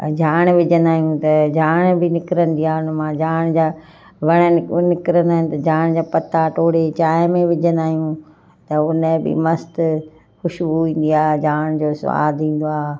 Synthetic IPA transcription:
d͡ʑaːɽ̃ʋɪd͡ʑʱə̃nd̪aːɦijũt̪ɐd͡ʑaːɽ̃bɪnɪkɾənd̪iaːʊnmãːd͡ʑaːɽ̃d͡ʑaː | ʋɐɽ̃ənɪnɪkɪɾənd̪aːɪnɪ̆t̪ɐd͡ʑaːɽ̃d͡ʑaːpɐt̪ʰːaʈʰoːɽet͡ɕaːjmẽʋɪd͡ʑʱənd̪aːɦijũ | t̪ɐʊnəbɪ̰mɐst̪ | xʊʃbuʋĩːn̆d̪iaːd͡ʑaːɽ̃d͡ʑoːsʋa̰ːd̪ĩːn̆d̪oaː

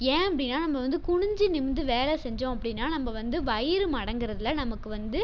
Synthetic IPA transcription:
ẽːɐpːɐɽɪnːaːnɐmːɐʋɐnd̪ɯkʊɳʊɲd͡ʒinɪmnd̪ɯʋeːlɛsɛɲd͡ʒõːɐpːɐɽɪnːaːnɐmːɐʋɐnd̪ɯʋɐjɪɾɯmɐɽɐŋɡɪɾɐðɪlːɐnɐmɐkːɯʋɐnd̪ɯ

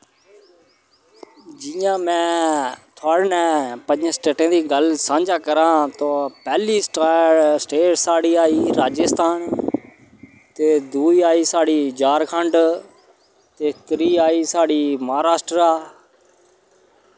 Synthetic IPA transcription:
d͡ʒɪjãːmɛ̃ːt̪ʰaːɽnɛ̃ːpəɲd͡ʒə̃sʈeːʈẽːd̪iːɡəlsãːɲd͡ʒaːkəɾãːt̪oːpɛːliːsʈːsʈeːʈsaːɽiːaːiːɾaːd͡ʒəst̪aːn | t̪eːd̪uːiaːiːsaːɽiːd͡ʒaːɾkʰəɳɖ | t̪eːt̪ɾiːaːiːsaːɽiːməɦaːɾaːsʈɾaː

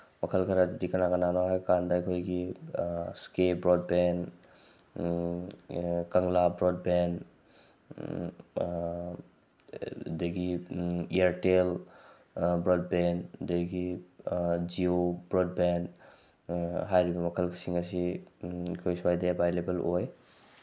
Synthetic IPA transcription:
mɐkʰəlkʰɐɾadudikɐnakɐnanahajkandɐɐkʰojɡi | skebɾɔd̚ben | kɐŋlabɾɔd̚ben | dɐɡiieɾtel | bɾɔd̚bendeɡi | d͡ʒiobɾɔd̚ben | ɦajɾibɐmɐkʰəlkʰi̥siŋɐsiakʰojsuwajdebʱajlebeloj

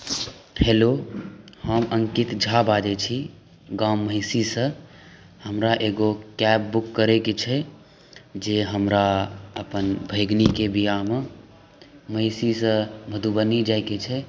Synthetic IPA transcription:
helohəmʔəŋkit̪d͡ʒʱabad͡ʒɛt͡ʃʰi | ɡamːəɪsisə̃ | həmɾaʔeɡokɛbːukːəɾeket͡ʃʰɛ | d͡ʒeɦəmɾaə̰pənbʱəɪɡnikebijame | məɪsisə̃bʱəd̪ʱubənid͡ʒajket͡ʃʰɛ

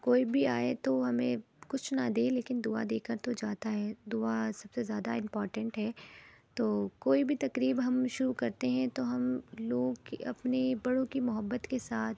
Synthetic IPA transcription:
koːibʱiaːet̪oɦɐmẽ | kʊt͡ʃʰnad̪eːleːkɪnd̪ʊa̰d̪eːkəɾt̪od͡ʒaːt̪aɦɛd̪ʊasɐb̥sezjaːd̪a̰ɪ̃mpɔːɾʈə̃ɳʈɦɛːt̪oːkoːibʱit̪ɐkɾiːbɦɐmʃʊɾukɐɾt̪eɦɛ̃t̪oɦɐmloːɡkiɐ̰pnebɐɽ̤õkimʊɦəbːət̪kesaːt̪ʰ

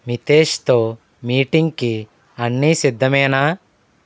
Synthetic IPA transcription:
mit̪eːʃt̪o̞ː | miːʈiŋɡki | ɐnːisid̪ʱːɐmɛːna

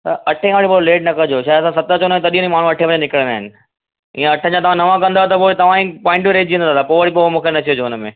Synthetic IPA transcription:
t̪ɐɐʈʰẽaːɽipoɾleːʈ̚nɐkɐd͡ʑoːʃaːɪɐsãsɐt̪ət͡ɕõnaɦɪ̃nt̪ɐɗijõĩmaːɳ̤ũɐʈʰẽpɐd͡ʑenɪkəɽə̃naːɦɪnɪ̆ | ĩːə̃ɐʈʰə̃ɲd͡ʑãt̪ɐʋ̤ãnɐʋãkɐ̃nd̪aːɦet̪ɐpoːet̪ɐʋ̤ãĩpɔ̃ːɪ̃ɳʈmiɾeːd͡ʑd͡ʑĩːə̃nd̪aːt̪apoːʋəɽipomũːkʰenɐt̪ʰijod͡ʑoʊnəmẽː

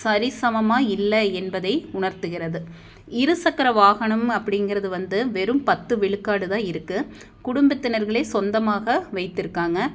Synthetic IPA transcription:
sɐɾɪsɐmɐmaːɪlːɐɛnbɐðɐɪʊɳɐɾt̪ɯɣɪrɐðɯ | ɪɾɯsɐkːɐɾɐʋaːɣɐɳɐmɐpːɐɽɪnɡɪɾɐðɯʋɐnd̪ɯʋɛɾɯmpɐt̪ːɯʋɪɭɯkːaːɽɯðãːɪɾɯkːɯ | kʊɽʊmbɐt̪ːɪnɐɾɣɐɭeːsɔnd̪ɐmaːɣɐʋɐɪt̪ːɪɾɯkːaːŋɡɐ

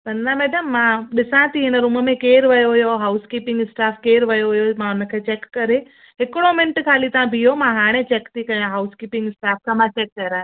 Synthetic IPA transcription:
bɐ̃nd̪amɛːɖəmːãɗɪsãt̪ʰiɦɪnəɾʊməmẽkeːɾʋɐjoɦʊjoɦaːʊskiːpɪ̃ŋɡɪsʈaːfʰkeːɾʋɐjoɦʊjomãʊnəkʰeːt͡ɕeːkːɐɾe | ɦɪkɽomɪnʈkʰaːlit̪ɐãbʱijomãɦaːɽ̃ẽt͡ɕeːkt̪ikɐjãɦaʊskiːpɪ̃ŋɡɪsʈaːfʰkʰãmãt͡ɕeːkːɐɾaːe

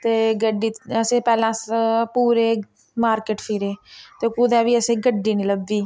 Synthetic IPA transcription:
t̪eːɡəɖiːəsẽːpɛːlãːpuːɾeː | maːɾkeːʈpʰɪɾeːt̪eːkuːd̪ɛ̃ːʋiːəsẽːɡəɖːiːniləbːiː

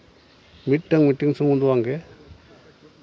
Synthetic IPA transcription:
mit̚ːaŋmitːiŋsʰuŋud̪uwaŋɡe

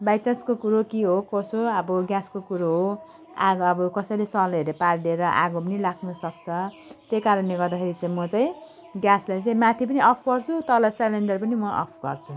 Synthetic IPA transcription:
bajt͡saskokuɾokiɦokosoʌbʌɡjaskokuɾoɦo | a̰ɡʌbʌkʌsʌjlesʌleɾepaɾɖeɾʌʔa̰ɡopʌnilakʰnusʌkt͡sʰʌ | t̪ekaɾʌnleɡʌrd̪akʰeɾit͡saĩmʌt͡sãĩ | ɡjaslajt͡saĩmat̪ʰip̬ʌniʌpʰpʌrt͡sʰut̪ʌlʌsaleɳɖʌrpʌnimʌʔʌ̰pʰɡ̥ʌ̰rt͡sʰu

